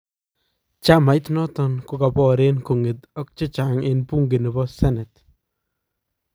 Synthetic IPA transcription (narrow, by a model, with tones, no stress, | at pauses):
t͡ʃa˦ma˨jt̪nɔ˦tɔ˦nkʊ˨˦ka˨pɔ˦ɾe˦nko˨ŋɪ˨t̪ɔ˦k̚t͡ʃɪ˦t͡ʃa˨ŋe˦npu˦ŋɡɪ˨nɪ˨bɔ˦sɛ˦nɛ˨t